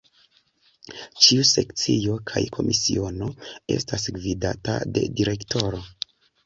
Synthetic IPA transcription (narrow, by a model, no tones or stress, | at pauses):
t͡ʃiuse̞kt͡sio̞kʰajkʰo̞mʔisio̞no̞e̞̰stasɡvidata̰de̞̰diɾe̞kto̞ɾo̞